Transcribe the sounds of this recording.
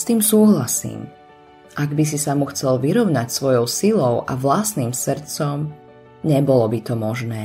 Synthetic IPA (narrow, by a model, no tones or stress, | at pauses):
st̪iːmsuːɦlasḭːm | ʔaɡbis̬isamuxt͡sɛlʋiɾɔʊnacsʋɔjɔʊsilɔʊʔa̰ʋlasniːmsr̩t̪t͡sɔm | ɲɛbɔlɔbit̪ɔmɔʒnɛː